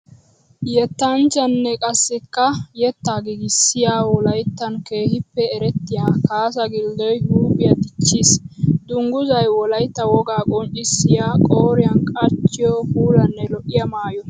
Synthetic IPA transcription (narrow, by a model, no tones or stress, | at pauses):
jɛt̪ːɐnt͡ʃɐnːɛkʼɐsːɪkːɐjɛt̪ːaːɡɪɡɪsɪjaːwɔlɐjt̪ːɐnke̞ːhɪpːɛːɾɛt̪ːɪjaːkaːsɐɡɪld̪ɔjhuːbɪjɐd̪ɪt͡ʃːiːsd̪̥ʊŋɡʊzɐjwɔlɐjt̪ːɐwɔɡaːkʼɔnt͡ʃʼɪsːɪjaːkʼoːɾɪjɐnkʼɐt͡ʃːɪjɔkuːlɐnːɛlɔʔɪjɐmaːjɔ